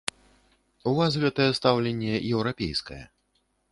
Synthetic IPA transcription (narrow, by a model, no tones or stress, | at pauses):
uvasɣɛt̪ɐjɛst̪awlʲenʲːɛjɛwɾapʲḛjskɐ̰jɛ̰